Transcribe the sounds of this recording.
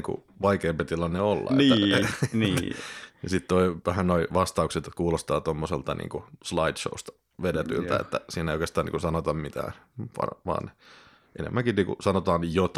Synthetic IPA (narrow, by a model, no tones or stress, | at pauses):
ŋkṵʋɑikeːmpet̪ilɑnːeolːɑ̰eninijɑsit̪t̪oiʋæhænoiʋɑst̪ɑukset̪kuːlost̪ɑːt̪omːoselt̪ɑnḭːŋkuslɑidʃo̰ust̪ɑ̥ | ʋedet̪y̰lt̪æ̰ḛt̪ːæ̰siːnæeijokest̪ɑːnḭŋkusɑnot̪ɑmmit̪æ̰ːpɑ̰rʋɑ̰ːn | ʔenḛmːæŋkinniːkṵsɑnot̪ɑːnjot̪